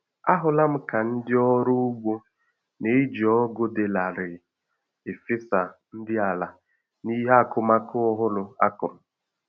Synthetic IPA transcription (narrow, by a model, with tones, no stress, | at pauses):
a˦ɦʊ˨la˦m̩˦ka˨n̩˦dɪ˦ɔ˦ɾʊ˦u˦ɡ͡bo˦ | ne˦d͡ʒɔ˦ɡo˦de˨la˨ɾɪ˨ | e˨fɪ˦sa˨n̩˦dɪ˦a˨la˨ | ni˦ɦa˦˨kʊ˦ma˦kʊ˦ʊ˦ɦʊ˦lʊ˨a̰˦kʊ˨m̩˨